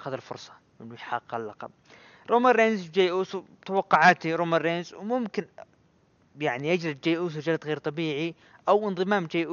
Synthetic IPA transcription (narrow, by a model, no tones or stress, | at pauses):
xaðalfʊ̰ɾsˤɑ̥ | ʔɪnːjħɑqːalːɑqɑ̰b̚ | ɾˤʔoːmanɾeːnzd͡ʒajːʔuːsu | t̪awɑqːʊʕaːt̪iɾˤoːmanːeːnzwmʊmkɪn | jaʕnijad͡ʒɾɪd̪d͡ʒaːʔuːs̬ud͡ʒalt̪ɣeːɾt̪ˤɑbiːʕi | ʔawʔɪnðˤɨmaːmd͡ʒajːʔu